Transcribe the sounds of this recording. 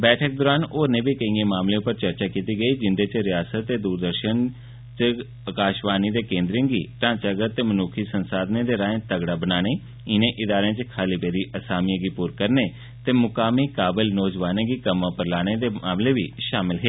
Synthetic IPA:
bɛːʈʰək̚d̪oːɾaːnoːnẽːbʱiːkəĩẽːmaːmleʊpəɾt͡ʃəɾt͡ʃaːkiːt̪iːɡəiːd͡ʒɪnd̪eːt͡ʃɾɪjaːsət̪ːeːd̪uːɾd̪əɾʃən | t͡ʃ | əkaːʃʋaːnid̪eːkẽːnd̪ɾɪ̃ːɡiːʈãːt͡ʃəɡət̪ːeːmənuːkʰiːsənsaːd̪nẽːd̪eːɾãːẽːt̪əɡɽaːbənaːɽ̃ẽː | ɪnẽːʔɪd̪aːɾeãːt͡ʃkʰaːliːpeːɾiːʔəsaːmijãɡipuːɾkəɾneː | t̪eːmʊkaːmiːkaːbɪlnɔːd͡ʒʋaːnẽɡiːkəmãːpəɾlaːɽ̃ẽːd̪eːmaːmleːʋiːʃaːmɪlɦeː

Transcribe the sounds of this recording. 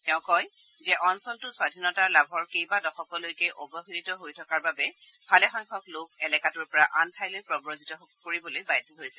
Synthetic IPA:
tɛʊ̃kɔj | zɛʔɔnsɔntʊswadʱinɔtaɹlabʱɔɹkejbadɔxɔkɔlojkejʔobɔɦiitɔɦojtʰɔkaɹbabɛbʰʱalɛxɔŋkʰɔklʊk̚ɛlɛkatʊɹpɔɹaʔantʰajlojpɹɔbɹozitɔkoɹibɔlojbajdiɦojsɛ

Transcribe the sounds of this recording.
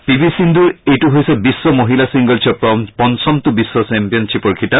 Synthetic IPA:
pibisind̪uɹejʈuɦojsɛbisːɔmoɦilasiŋɡɔlt͡ʃʰɔpɔpɔnsɔmt̪ubisːɔsɛmpijɔnt͡ʃʰipɔɹkʰita

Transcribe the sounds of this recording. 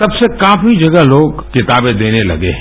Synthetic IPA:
t̪ɐbsekaːfid͡ʒɐɡəɦloːɡkɪt̪aːbẽd̪eːnelɐ̰ɡḛɦ

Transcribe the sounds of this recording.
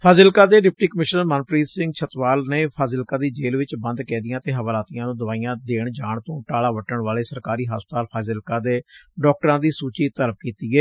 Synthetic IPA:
pʰaːzɪlkaːd̪eːɖɪp̚ʈiːkəmɪʃnəɾmənpɾiːzsɪ̃ŋɡt͡ʃʰət̪ʋaːlneːpʰaːzɪlkãːd̪iːd͡ʒeːlʋɪt͡ʃbə̃nd̪kɛ̃ːd̪ijãːt̪eːɦəʋaːlaːt̪ijãːnũːd̪əʋaːijãːd̪eːɳd͡ʒaːɳt̪õːʈaːlaːʋəʈːəɳʋaːleːsəɾkaːɾiːɦa̰ːsp̚ət̪aːlpʰaːzɪlkaːd̪eːɖɔːk̚ʈəɾãːd̪iːsuːt͡ʃiːt̪əɾəp̚kiːt̪iːɛː

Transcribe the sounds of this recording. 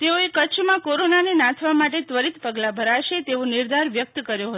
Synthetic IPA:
t̪eoekət͡ʃʰmãkoɾonanenãt̪ʰʋamaʈet̪ʋəɾit̪pəɡlabʱəɾaʃet̪eonɪɾd̪aɾʋjək̚t̪kəɾjoɦət̪o

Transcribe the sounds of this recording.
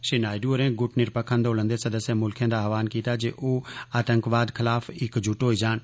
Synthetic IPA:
ʃinaːɪɖuəɾɛ̃ɡʊʈnɪɾpəkʰə̃nd̪oːlə̃nd̪esɐd̪əsjəmʊlkʰjə̃nd̪aʋaːnkiːt̪ad͡ʒeːʔoːaːt̪ə̃ŋkʋaːd̪kʰɪlaːfɪkd͡ʒʱʊʈoːid͡ʒaːn

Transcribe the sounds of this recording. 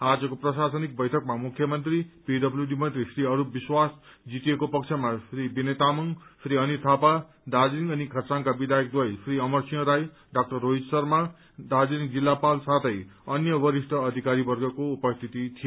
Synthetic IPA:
ad͡zʌkoprʌsasʌnik̚bʌjʈʰʌk̚mamukʰjʌmʌnt̪ripiɖʌbljuɖimʌnt̪risriʌɾubiswasd͡zit̪ijekopʌkt͡ʃʰemasʰribinet̪amʌŋpʰɾiʌnit̪ʰapa | d̪ad͡ziŋʌnikʰʌrt͡sankabid̪ajk̚d̪wʌjsʰriʌmʌrsʰijʌ̃ɾaj | ɖak̚ʈʌrːoid͡zsʌrma | d̪ad͡ziiŋd͡zilːapalsat̪ʰʌjʌnjʌbʌɾisʈʰʌːd̪ʱikaɾibʌrɡʌkoupʌst̪ʰit̪it̪ʰij

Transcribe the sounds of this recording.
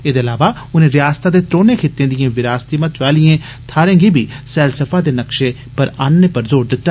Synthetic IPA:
eːd̪eːəlaːʋaː | ʊnẽːɾɪjaːst̪aːd̪eːt̪ɾoːneːkʰeːt̪ẽːd̪ɪjẽːʋɪɾaːst̪iːmə̃t̪ʋaːlɪjẽː | t̪ʰaːɾẽːɡiːbʱiːsɛːlsəfʰaːd̪eːnəkʃeː | pəɾaːnːepəɾzoːɾd̪ɪt̪ːaː

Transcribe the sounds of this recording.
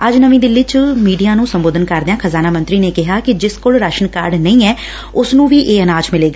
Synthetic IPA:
əd͡ʒnəʋĩːd̪ɪlːiːt͡ʃmiːɖijaːnũːsəmboːd̪ənkəɾd̪eãːkʰəzaːnaːmə̃nt̪ɾiːneːkɪɦaːkɪd͡ʒɪskoːlɾaʃənkaɾɖnəĩːɛː | ʊsnũːʋiːʔeːənãːt͡ʃmɪleːɡaː

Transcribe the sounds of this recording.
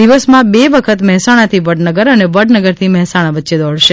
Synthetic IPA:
d̪iʋəsmãbeʋəkʰət̪mɛɦɛsaɽ̃ãt̪ʰiʋəɽnəɡəɾəneʋəɽnəɡəɾt̪ʰimɛɦɛsaɽ̃aʋətːʃed̪ɔɽ̤ʃe

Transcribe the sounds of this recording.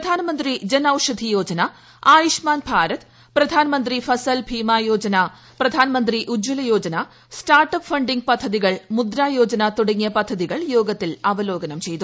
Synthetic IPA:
ɐd̪ʱaːnɐmɐnd̪ɾid͡ʑɐnaːwʂɐd̪ʱijo̞ːd͡ʑɐna | aːjiʂmaːnbʱaːɾɐt̪ | pɾɐd̪ʱaːnɐmɐnd̪ɾifɐsɐlbʱiːmaːjo̞ːd͡ʑɐna | pɾɐd̪ʱaːnɐmɐnd̪ɾiʔud͡ʑːulɐjo̞ːd͡ʑɐna | sʈaːrʈɐpfɐɳɖiŋɡ̚pɐd̪ʱːɐðiɣɐɭmud̪ɾaːjoːd͡ʑɐnat̪uɽɐŋːjɐpɐd̪ʱːɐðiɣɐɭjoːɡɐt̪ːilɐʋɐlo̞ːɡɐnɐmt͡ɕe̞jt̪u

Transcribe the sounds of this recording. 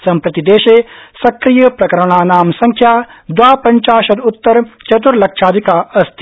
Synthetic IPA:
sɐmpɾɐt̪id̪eːʃeːsɐkɾijɐpɾɐkɐɾɐɳ̃aːnaːmsɐŋkʰjaːd̪ʋaːpɐɲt͡ʃaːʃɐd̪ut̪ːɐɾt͡ʃɐt̪̬uɾlɐkʃaːd̪ʱikaːɐst̪ʰi̥

